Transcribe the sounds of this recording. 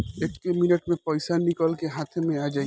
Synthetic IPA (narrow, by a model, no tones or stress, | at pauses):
eːkːemɪnəʈmẽpɔɪsanikəlkeɦat̪ʰemẽaːd͡ʒaːi